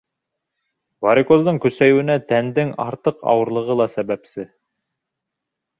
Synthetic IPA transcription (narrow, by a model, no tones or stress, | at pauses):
vɑɾʲikozd̪ɤɴkɵ̆sæjwɘ̆næt̪ænd̪ɘŋɑ̰ɾt̪ɤqɑ̰wɤ̆ɾlˠɤ̆ʁɤlˠɑsæbæpsɘ